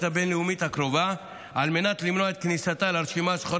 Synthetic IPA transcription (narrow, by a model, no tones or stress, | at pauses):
t̪abenlɛumit̪akɾova | almenat̪limnoaet̪̚knisat̪alaɾʃimasχoɾ